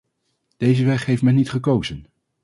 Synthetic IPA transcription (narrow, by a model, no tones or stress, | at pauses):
d̥ejzəʋɛχɦejftmɛnːitχəkowzən